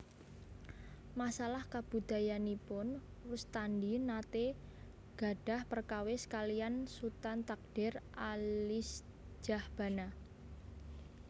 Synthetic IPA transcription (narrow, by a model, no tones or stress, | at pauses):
masalahkab̥ṳd̪̥a̤janipʊn | wust̪andinat̪e | ɡ̥a̤ɖ̥a̤hpərkawɪskalijansut̪ant̪ak̚ɖ̥ɛrʔalɪs | d͡ʒ̥a̤hb̥a̤na